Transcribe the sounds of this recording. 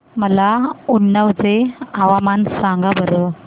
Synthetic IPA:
məlauɳːəwt͡seaʋamansaŋɡabəɾə

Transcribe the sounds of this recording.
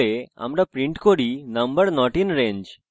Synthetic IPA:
ea̰mɾapɾiɳʈkoɾinəmbəɾnɔʈinɾẽɲd͡ʑ

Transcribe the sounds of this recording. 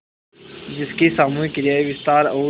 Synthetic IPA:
d͡ʒɪskesaːmuːɪkɾjaːiʋɪst̪aːɾoː

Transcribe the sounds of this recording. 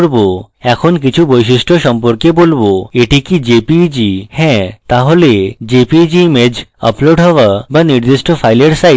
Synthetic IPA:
ɽbo | ɛkʰonk̬it͡ʃʰubɔjʃisʈʰosəmpɔɾkjebolboeʈʰikid͡ʒepid͡ʒihɛ̃t̪aɦoled͡ʒepid͡ʒimed͡ʑə̰ploɖɦɔʋabəniɾd̪isʈʰɔpʰajleɽsa

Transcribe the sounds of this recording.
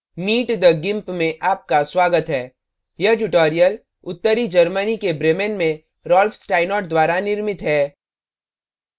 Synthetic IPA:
miːʈd̪əɡɪ̃mpmẽʔaːp̚kaswaːɡət̪ɦɛː | jɐɦʈ̬ʊʈoːɾijəl | ʊt̪ːəɾid͡ʒɐɾmənikebɾeːmenmẽ | ɾɔːlfsʈaːɪnɔːʈd̪waːɾanɪɾmɪt̪ɦɛː

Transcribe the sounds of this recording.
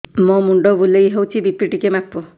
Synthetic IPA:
mɔ̃muɳɖɔbulejɦewt͡ʃʰibipːiʈikemapːɔ

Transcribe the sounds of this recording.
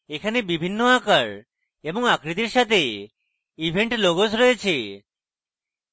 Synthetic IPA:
ekʰanebibʱinːoakaɭ | eboŋakɾit̪̬iɾʃat̪ʰe | ibʱeɳʈloɡosɾɔet͡ɕʰe

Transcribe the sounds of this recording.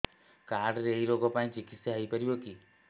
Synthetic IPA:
kaɾɖɾeiɾoɡɔpaĩt͡ʃikit̪saɦəjpɔɾibɔki

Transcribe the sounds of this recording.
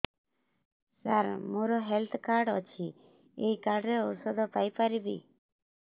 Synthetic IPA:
saɾmoɾɔɦelt̪ʰkaɾɖɔt͡ʃʰi | ejkaɾɖɾeɔɾsɔd̪ʱɔpajpaɾibḭ

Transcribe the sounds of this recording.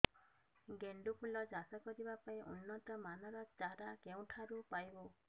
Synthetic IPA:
ɡeɳɖupʰulɔd͡ʒasɔkɔdibapaĩʔṵnːɔt̪ɔmanɔɾɔt͡ʃaɾakew̃ʈʰaɾupajbo

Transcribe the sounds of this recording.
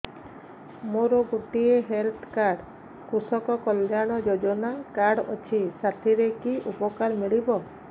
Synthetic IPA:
moɾɔɡuʈieɦelt̪kaɽ | kusɔkɔkɔljaɽ̃ɔd͡ʒod͡ʒɔnakaɾɽɔt͡ʃʰisat̪ʰiɾekiʔupɔkaɾmiɭibɔ

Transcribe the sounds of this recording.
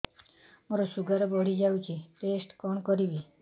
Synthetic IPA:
mɔɾɔsuɡaɾɔbɔɽid͡ʒawt͡ʃʰiʈesʈkɔɳkɔɾibi

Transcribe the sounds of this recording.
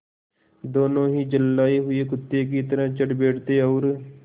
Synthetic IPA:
d̪oːnõːɦiːd͡ʒəlːaːiːɦʊeːkʊt̪ːeːk̬it̪əɾãːt͡ʃəʈbeːʈt̪eːɔːɾ

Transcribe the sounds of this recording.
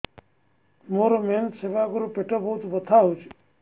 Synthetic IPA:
moːɾomeːnt̪seʋaːɡʊɾupeʈəboːut̪ʋət̪ʰaːɦut͡ʃʰ

